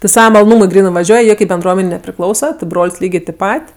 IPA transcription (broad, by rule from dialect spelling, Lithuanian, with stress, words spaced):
tʲɪ ˈsɑːʋɐ mɐlˠoːˈnuːmʊɪ ˈɡrʲiːnɜ ʋɐˈʒʲuɔj ˈjiɛ kɐɪp bʲɛnˈdruɔmʲɛnʲɛɪ nʲɛpʲrʲɪˈklˠɐʊsɐ tʲɪ ˈbroːlʲsʲ ˈlʲiːɡʲeː tʲɪp ˈpɐtʲ